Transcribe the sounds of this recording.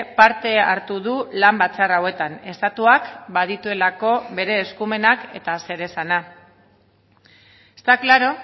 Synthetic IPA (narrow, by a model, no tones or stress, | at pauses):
paɾt̪e̞aɾt̪uð̞ulambat͡sarawe̞t̪ane̞st̪at̪uakbaðit̪ue̞lako̞βe̞ɾe̞ːskume̞nake̞t̪ase̞ɾe̞sana | est̪aklaɾo̞